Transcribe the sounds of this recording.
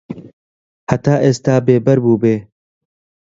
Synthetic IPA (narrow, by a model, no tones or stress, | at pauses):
hɐt̪aːʔeːst̪aːbeːbɐɾbuːbeː